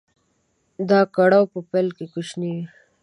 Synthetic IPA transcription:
d̪ɑkaɽawpəpelkekuʃniwi

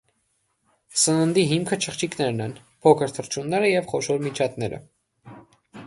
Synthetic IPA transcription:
sənənd̪iɦimkʰət͡ʃʰəχt͡ʃʰiknɛɾnɛn | pʰɔkʰəɾt̪ʰəɾt͡ʃʰunːɛɾəjɛvχɔʃɔɾmit͡ʃʰɑt̪nɛɾə̰

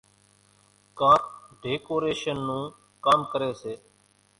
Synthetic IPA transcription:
kaːɖeːkoːɾeːʃənːũː | kaːmkəɾeːseː

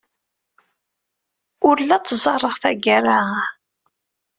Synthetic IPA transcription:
ʊɾlæt͡sːzˤɑrˤːəʁθæɡaɾa

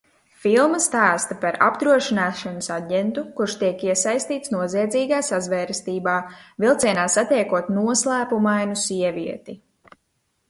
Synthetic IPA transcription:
filˠmɐst̪aːst̪ɐpaɾa̰bd̪ɾuɔʃinaːʃanɐsaɟent̪ukuɾʃt̪iɛkiɛsajst̪iːt̪snuɔziɛd̪ziːɡaːsazvɛːɾst̪iːbaːvilˠt̪sʲiɛnaːsat̪ɛjkuɔt̪nuɔslˠæːpumajnusiɛviɛt̪i

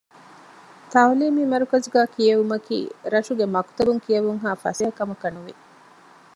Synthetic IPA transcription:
t̪ɐwliːmimɐɾukɐzuɡæːkijɐʋumɐkḭːɾɐʃuɡemɐkt̪ɐbuŋkijɐʋuŋɦaːfɐ̰seɐkɐmɐkɐnuʋi

